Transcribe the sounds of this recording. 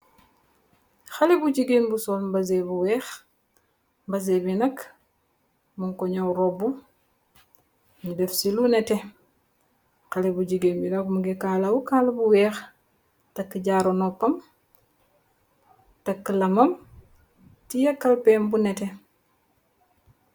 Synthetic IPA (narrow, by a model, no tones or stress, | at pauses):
xalibud͡ʒiɡenbusolmbazebuwɛːx | mbazebinɐk | muŋkoɲawɾobu | ndefsilunɛte | xalebud͡ʒiɡenbinakmuɡekalawukalbuwɛːx | takːiɟaɾonopːɐm | tɐkːəlɐmɐm | tijakːalpeːmbunete